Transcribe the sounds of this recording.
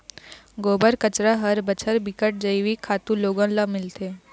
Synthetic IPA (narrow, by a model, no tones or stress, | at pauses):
ɡobəɾkət͡ɕɾaɦəɾbət͡ɕʰəɾbikəʈ̚d͡ʑəjʋiːkʰat̪uːloɡãnlamɪlt̪e